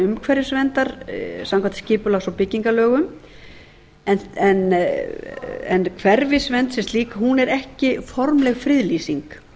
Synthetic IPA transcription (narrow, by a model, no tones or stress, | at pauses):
ʏmkʰvɛɾjɪsvɛnt̪aɾ̥samkʰvant̪scɪːpʏlaɣsɔwpɪcːiŋkalœːɣʏm | ɛnɛn | ɛ̰nkʰvɛɾvɪsvɛnt̪sɛmst̪liːkaɦunɛɾɛhcɪfɔɾmlɛɣfɾɪðliːsiŋk